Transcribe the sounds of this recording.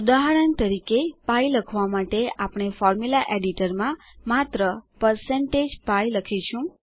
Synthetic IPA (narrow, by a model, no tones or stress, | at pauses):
ud̪aɦaɾənt̪əɾikepajləkʰʋamaʈeapɳ̃efɔɾmulaʔeɖiʈəɾmã | mat̪ɾəpəɾseɳʈed͡ʒpajləkʰit͡ʃʰũ